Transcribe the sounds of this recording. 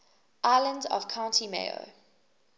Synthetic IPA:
ʔaɪlə̃ndɔ̰v̥kʰãʊ̃ntʰimḛo̰

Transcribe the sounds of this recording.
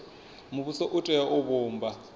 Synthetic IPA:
muβusɔʔutʼɛjaʔʊβʊːmba

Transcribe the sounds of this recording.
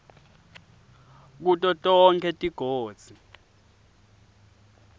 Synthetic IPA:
k̬utʼɔtʼɔŋkʰɛtʼiɡ̥ʱoːd̥z̥ʱi

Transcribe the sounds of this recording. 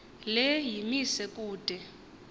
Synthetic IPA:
lɛjimisɛkʼuːd̥ʱɛ

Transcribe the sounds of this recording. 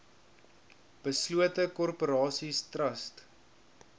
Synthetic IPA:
b̥əsluətəkɔrpoɾɑːsistrɐst

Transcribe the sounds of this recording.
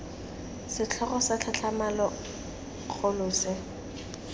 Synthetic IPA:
sɪt͡ɬʰɔɣɔsat͡ɬʰat͡ɬʰamalɔ | k͡xʰolʊːsɪ

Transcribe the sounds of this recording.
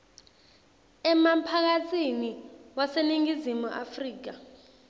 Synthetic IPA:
ɛmampʰak̬at͡sʰʼiniwaseniŋizimuʔafriːk̬a

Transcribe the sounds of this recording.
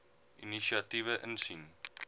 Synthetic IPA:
iniʃiɐtivəʔənsin

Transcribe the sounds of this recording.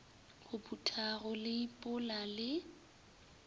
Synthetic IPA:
ɣ̥ʊbutʰʼaɣɔlɪipʼʊlalɪ

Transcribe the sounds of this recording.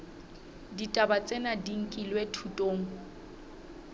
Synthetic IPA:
ditʼabat͡sʼɛnadiŋ̩kʼilwetʰutʼoːŋ̩

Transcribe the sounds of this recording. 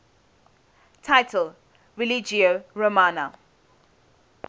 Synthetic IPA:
tʰaɪtʰəl | ɹilid͡ʒioɹomana

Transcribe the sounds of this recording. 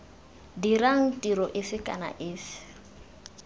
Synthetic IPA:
diɾaŋ̩tiɾɔʔɪfɪkʼa̰na̰ʔɪːfɪ̥

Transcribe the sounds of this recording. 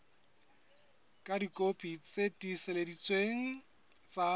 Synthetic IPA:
kʼadikʼopʼit͡sʼetʼisɪledit͡sʼweŋ̩ | t͡sʼa

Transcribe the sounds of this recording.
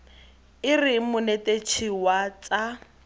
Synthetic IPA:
ɪrɪmʊnetet͡ʃʰiwat͡sʼa

